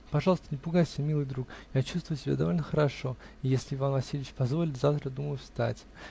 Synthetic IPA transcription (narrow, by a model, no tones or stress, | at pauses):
pɐʐɑlˠəst̪ənʲɪpʊɡajsʲɪbʲmʲilˠɨjd̪ɾukjat͡ɕust̪vʊjʊsʲɪbʲa̰d̪ɐvo̞lʲnəxəɾɐʂo̞ | ɪjesʲlʲɪɪvanvɐsʲilʲɪɪt͡ɕpɐzvo̞lʲɪt̪ʲzaft̪ɾəd̪uməjʊfst̪a̰tʲ